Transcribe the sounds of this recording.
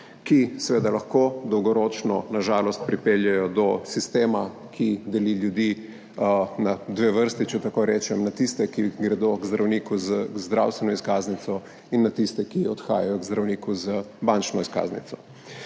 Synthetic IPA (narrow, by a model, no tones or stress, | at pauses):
kisɛʋeːd̪alaxkoːd̪ɔwɡɔɾoːt͡ʃnɔnaʒaːlɔst̪̚pɾipeljɛjɔd̪ɔsist̪eːma | kʰid̪ɛliljud̪i | nad̪ʋeːʋəɾst̪it͡ʃɛt̪akoɾɛːt͡ʃɛmnat̪ist̪ɛkiɡɾɛd̪oɡzd̪ɾɐwniːkuzzd̪ɾa̰wst̪ʋɛnɔiskaːznit̪sɔ | inːat̪ist̪ɛkiɔt̪xa̰ːjajɔɡzd̪ɾɐwniːkuzəbant͡ʃnɔiska̰znḭt̪sɔ̥